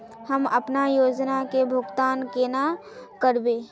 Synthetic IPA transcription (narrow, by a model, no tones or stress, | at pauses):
hɐmɐpnajoːd͡ʒnakebʱʊɡt̪aːnkena | kəɾbeː